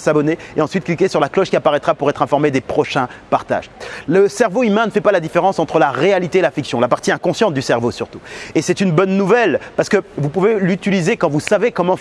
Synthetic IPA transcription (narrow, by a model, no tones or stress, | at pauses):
sabɔneeɑ̃sɥit̪̚klikʲesyʁlaklɔʃkʲiapaʁɛt̪χapuʁɛt̪χɛ̃fɔʁmed̪epχɔʃɛ̃paʁt̪a̰ʒləsɛʁvoymɛ̃nəfɛpalad̪ifeʁɑ̃sɑ̃t̪χəlaʁealit̪eelafiksjɔ̃lapaʁt̪iɛ̃kɔ̃sjɑ̃t̪̚d̪ysɛʁvosyʁt̪uesɛt̪ynbɔnːuvɛlpaʁsə̥kəvupuvelyt̪ilizekɑ̃vusavekɔmɑ̃